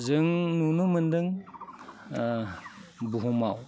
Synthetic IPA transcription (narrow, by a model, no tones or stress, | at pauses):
zɯŋnunumɯndɯŋ | buɦumaw